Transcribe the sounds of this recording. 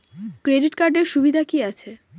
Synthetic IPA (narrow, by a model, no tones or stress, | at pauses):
kɾeɖiʈkaɾɖeɾʃubid̪ʱakiat͡ɕʰe